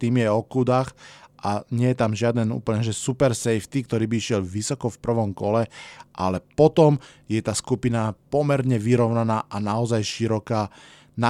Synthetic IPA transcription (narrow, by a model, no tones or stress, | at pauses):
t̪iːmjɛɔkuːd̪axʔaɲɪɛjɛt̪amʒɪad̪ɛnṵːpəl̩ɲɛʒɛsupɛɾsɛjft̪ikt̪ɔɾiːbiiʃɪjɛlʋisɔkɔfpr̩ʋɔmkɔlɛʔa̰lɛpɔt̪ɔmjɛt̪aːskupinapɔmɛɾɲɛʋiɾɔʊnanaːʔanaɔzajʃiɾɔkaː | na